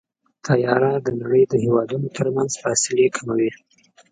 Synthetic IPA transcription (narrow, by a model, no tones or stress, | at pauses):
t̪ʰajɑɾad̪ənaɽəjd̪əhewɑd̪unot̪ʰəɾmanzfɑsɪlekʰamawi